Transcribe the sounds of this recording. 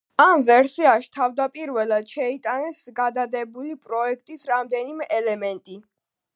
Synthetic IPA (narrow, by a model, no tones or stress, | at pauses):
amvɛɾsiaʃt̪ʰavd̪apʼiɾvɛlˠad̪̥ʃɛit̪ʼanɛsɡad̪ad̪ɛbulipʼɾɔɛk̚ʰt̪ʼisɾamd̪ɛnimɛʔɛlɛmɛnt̪ʼi